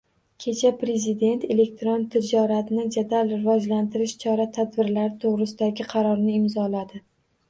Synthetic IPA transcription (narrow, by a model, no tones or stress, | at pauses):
kʲʰe̞t͡ʃʰapɾe̞zid̪e̞nt̪e̞le̞k̚ʲt̪ʰɾont̪ʰɪd͡ʒɒɾat̪ʰnɪd͡ʒad̪alɾɪvɒd͡ʒlant̪ʰɪɾɪʃt͡ʃʰɒɾat̪ʰad̪bɪɾlaɾɪt̪ʰoʁɾɪsɪd̪aɡʲɪqʰɑɾɒɾnɪɪmzɒlad̪ɪ